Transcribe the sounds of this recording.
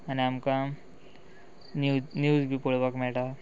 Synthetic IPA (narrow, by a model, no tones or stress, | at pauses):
añiamka | njud͡zbʱiːpuɭbakmɛɭʈa